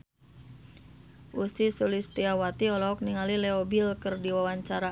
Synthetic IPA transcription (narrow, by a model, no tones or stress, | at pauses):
ʔusisulist̪iawat̪iɔlɔɔk̚niŋalilɛobilkərdiwawaɲt͡ʃaɾa